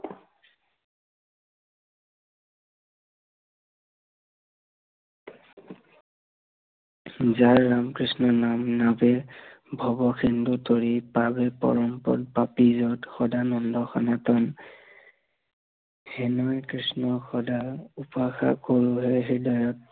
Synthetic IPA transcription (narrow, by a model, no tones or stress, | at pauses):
zaɹːamkɹisnɔnamnabɛbʱɔbɔxʰindutoɹipabɛpɔ̰ɹɔmpɔ̰t̚papizɔtxɔdanɔndɔxɔnatɔn | hɛnɔjkɹisnɔxɔdaupaxa̰koɹuɦɛɦidɔjɔt̚